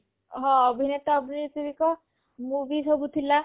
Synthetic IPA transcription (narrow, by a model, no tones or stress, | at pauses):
ɦɔ̃ːbʱinet̪ːbʱiniɾt̪iɾikɔ | muʋisɔbut̪ʰila